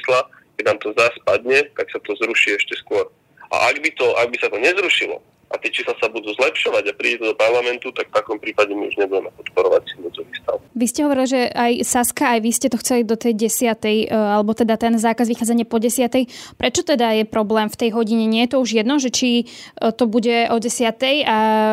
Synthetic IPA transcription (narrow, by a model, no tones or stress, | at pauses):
sla | kɛnaːmt̪ɔzaspad̪ɲɛt̪aksat̪ɔzɾuʃiɛʃcɛskʊɔɾ | ʔa̰ʔaɡbit̪ɔʔaɡ̚bisat̪ɔɲɛzɾuʃilɔ̰ | ʔa̰t̪ɪɛt͡ʃiːslasabud̪uzlɛpʃɔʋaɟapɾiːɟɛt̪ɔd̪ɔpaɾlamɛnt̪ut̪akft̪akɔmpɾiːpaɟɛmiṵʒɲɛbuɟɛmɛpɔt̪pɔɾɔʋa̰c̚t͡simɔd͡zɔʋiːst̪a̰ʊʋiscɛɦɔʋɔɾiliʒɛajsaskaːjʋiscɛt̪ɔxt͡sɛlid̪ɔt̪ɛjɟɛsɪat̪ɛjalɛbɔt̪ɛd̪at̪ɛnzaːkazʋixaːd͡zaɲɪɛpɔɟɛsɪat̪ɛjpɾʔɛt͡ʃɔt̪ɛd̪ajɛpɾɔblɛːmft̪ɛjɦɔɟiɲɛɲɪɛjɛt̪ɔuʒjɛd̪nɔʒɛt͡ʃit̪ɔbuɟɛʔɔɟɛsɪat̪ɛja